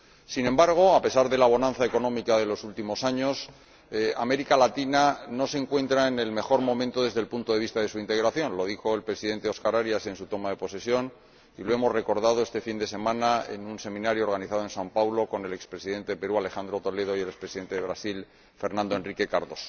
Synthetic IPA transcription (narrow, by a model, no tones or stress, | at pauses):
sinẽ̞mbaɾɣ̞o̞ape̞saɾðe̞laβ̞o̞nãnθaeko̞nõ̞mikaðe̞lo̞sult̪imo̞saɲo̞s | a̰me̞ɾikalat̪inano̞seŋkwe̞nt̪ɾaene̞lme̞xo̞ɾmo̞mẽnt̪o̞ðe̞zðelpunt̪o̞ðe̞βist̪aðe̞suint̪e̞ɣɾaθjo̞nlo̞ðixo̞e̞lpɾe̞siðe̞nt̪eo̞skaɾaɾjase̞nsut̪o̞maðe̞po̞se̞sjo̞n | iloe̞mo̞zre̞ko̞ɾðað̞oest̪e̞find̪e̞se̞mãnaḛnunse̞mĩnaɾjoɾɣ̞aniθaðoe̞nsampawlo̞ko̞ne̞le̞kspɾesiðe̞nt̪epe̞ɾuale̞xand̪ɾo̞t̪o̞le̞ð̞o̞jelekspɾesiðe̞nt̪eeβɾasil | fe̞ɾnãnd̪o̞e̞nrike̞kaɾðo̞s